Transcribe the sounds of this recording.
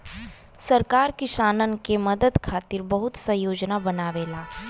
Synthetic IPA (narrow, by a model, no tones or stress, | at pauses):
sɐɾkaːɾkɪʃaːnənkeməd̪əd̪kʰaːt̪ɪɾbɐɦʊt̪sɐ̃joːd͡ʒnabɐnaːʋeːlaː